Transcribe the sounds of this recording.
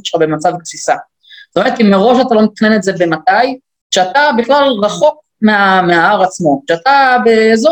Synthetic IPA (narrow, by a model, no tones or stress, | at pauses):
ʃχabe̞mat͡savk̚sisa | z̥o̥tome̞ʁet̪imːeʁo̞ʃat̪alo̞met̪ḁχnenetze̞be̞mat̪aj | ʃeat̪abiχlalʁaχo̞k̚ | meameaaʁat͡smo̞ʃeat̪abeːzo